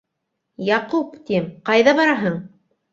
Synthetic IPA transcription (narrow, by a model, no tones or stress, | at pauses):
jɑqupt̪imqɑjðɑβɑɾɑɦɤɴ